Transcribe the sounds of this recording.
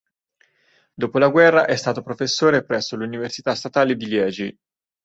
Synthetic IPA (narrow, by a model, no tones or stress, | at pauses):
d̪oːpolaɡwɛrːaʔɛst̪aːt̪opɾofesːoːɾepɾɛsːoluniversit̪ast̪at̪aːled̪iljɛːd͡ʒi